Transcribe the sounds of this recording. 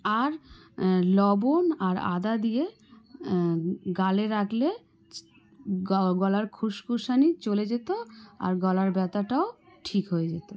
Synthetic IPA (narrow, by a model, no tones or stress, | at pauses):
aɾ | lɔbonaɾa̰d̪ad̪ije | ɡaleɾakle | ɡɔlaɾkʰuʃkuʃanit͡ɕoled͡ʑet̪oa̰ɾɡɔlaɾbɛt̪aʈaoʈʰikɦoed͡ʑet̪o